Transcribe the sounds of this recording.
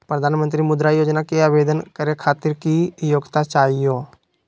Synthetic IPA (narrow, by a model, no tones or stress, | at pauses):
pɾəd̪ʱaːnmə̃nt̪ɾimʊd̪ɾajoːd͡ʒnakeaːʋeːd̪ənkəɾekʰaːt̪ɪɾkijoːɡt̪at͡ʃaːɦijoː